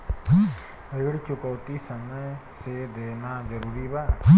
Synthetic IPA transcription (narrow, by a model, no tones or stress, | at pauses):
əjɽt͡ʃʊkəwt̪isəməj | sed̪eːnad͡ʒəɾuɾibaː